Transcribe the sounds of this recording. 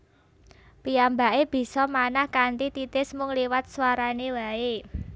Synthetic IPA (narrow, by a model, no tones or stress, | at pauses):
piamba̤ʔeb̥i̤sɔmanahkant̪it̪it̪ɪsmʊŋliwat̪̚swaɾanewae